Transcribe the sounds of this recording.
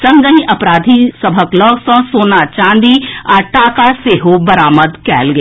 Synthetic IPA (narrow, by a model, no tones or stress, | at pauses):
sɐ̃ŋɡəɦĩʔɐpɾaːd̪ʱisəbʱəklɔːksɔ̃ːsoːnat͡ʃãːnd̪iaːʈaːkaseːɦobəɾaːməd̪kɛ̰ːlɡe